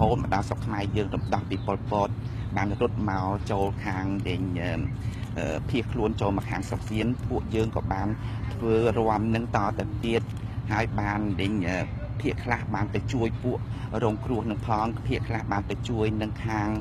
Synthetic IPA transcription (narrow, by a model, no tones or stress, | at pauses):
hoːt̪̚mə̆ɗɑsokʰːmaɛjəːŋrumɗɑhpiːpolpɔːt̪̚ | ɓaːnrʊt̪̚maɔt͡ɕoːlkʰaːŋɗɨɲʔəː | ʔəːpʰiəhkʰluənt͡ɕoːlmaɑkʰːaːŋsok̚siənpuəʔjəːŋkɑ̰ːɓaːnt̪ʰʋəːroəmnɨŋt̪ɑːt̪awt̪iət̪̚ | haəjɓaːnɗɨɲʔəː | pʰiəʔkʰlahɓaːnt̪awt͡ɕuəjpuəʔrɔːŋkruəhnɨŋpʰɑːŋpʰiəʔkʰlahɓaːnt̪awt͡ɕuəjnɨŋkʰaːŋ